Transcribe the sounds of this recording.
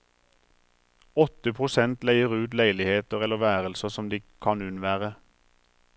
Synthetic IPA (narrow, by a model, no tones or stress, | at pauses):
ɔt̪əpʰʁʊsɛnt̪læɪəʁʉːt̪læɪlɪheːt̪əʁɛləʋæːʁəlsəsɔmd̪iːkʰɑnʉnʋæːʁə